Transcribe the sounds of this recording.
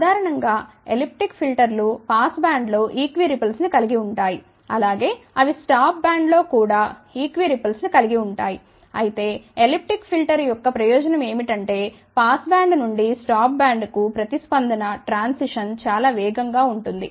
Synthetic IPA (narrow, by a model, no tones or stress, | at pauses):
ud̪ʱaːɾɐɳɐŋɡaː | elip̚ʈikpʰilʈɐɾlupaːsbaːɳɖlo̞ːʔiːkʋiɾipɐlsnikɐliɡiuɳʈaːji | ɐ̰laːɡe̞ːɐʋisʈaːp̚baːɳɖlo̞ːkuːɽaːiːkʋiɾipɐlsnikɐliɡiuɳʈaːji | ɐ̰jit̪e̞ːelip̚ʈɾikpʰilʈɐɾjɔkːɐpɾɐjɔːd͡ʒɐnɐme̞ːmiʈɐɳʈe̞ː | paːsbaːɳɖnuɳɖisʈaːp̚baːɳɖkupɾɐt̪ispɐnd̪ʱɐnɐʈɾaːnsiʂɐnt͡ʃaːlaːʋɛːɡɐŋɡaːuɳʈund̪ḭ